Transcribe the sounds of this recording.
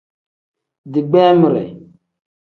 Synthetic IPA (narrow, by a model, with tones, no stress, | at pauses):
di˨ɡ͡bɛ˦mi˨ɾɛ̰˨